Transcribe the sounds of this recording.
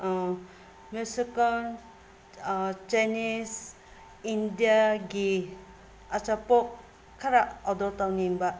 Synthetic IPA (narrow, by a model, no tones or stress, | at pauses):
mjusikan | t͡ʃajnis | indijaɡi | ɐt͡ʃapok | kʰːaɾaɔdɔtawniŋba